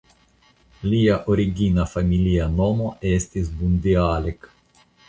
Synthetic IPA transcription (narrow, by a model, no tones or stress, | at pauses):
lijaʔoɾiɡinafamilianɔmoʔɛst̪izbund̪iaːlɛk